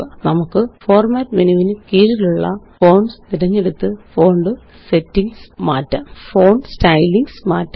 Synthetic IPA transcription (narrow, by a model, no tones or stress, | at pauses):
nɐmukːɨfoːrmaːtːmenuʋinɨkiːɾiluɭːɐ̰fo̞ːɳsniɾɐɲːe̞ɽut̪ːɨfo̞ːɳɖɨ | setːiŋɡsmaːtːɐmfoːɳɖɨstɐjliŋɡsmaːtːɐ